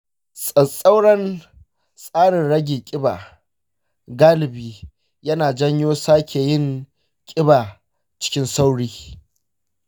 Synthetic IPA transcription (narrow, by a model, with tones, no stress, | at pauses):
sʼɐ˨sʼa˦wɽɐ˦n | sʼaː˦ɽɪ˨nɽɐ˦ɡʲiː˨kʲʼɪ˦baː˨ | ɡaː˦lɪ˨biː˨ | jɐ˦naː˨d͡ʒɐ˦ɲjoː˦saː˦kʲe˨jɪ˦˨ŋ | kʲʼɪ˦baː˨ | t͡ʃɪ̥˦kʲɪ˦nsa˦wɽiː˦